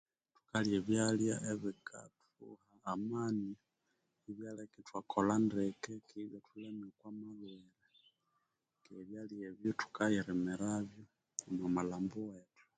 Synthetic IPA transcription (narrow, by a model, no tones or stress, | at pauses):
tu̥kaljeβjaljaʔeβikʰa̰t | ṵhaːmani | iβjalakitwakʰolandɛkɛkʰiβatulɛmikwamalwɛlɛ | keβjalieβjɔtu̥kajɛɾɛmɛɾaβjɔ | mwamalambuwetu̥